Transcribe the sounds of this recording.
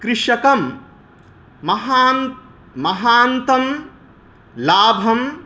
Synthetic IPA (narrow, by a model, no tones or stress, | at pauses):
kɾɪʂɐkɐm | mɐɦaːn | mɐɦaːnt̪ɐm | laːbʱɐm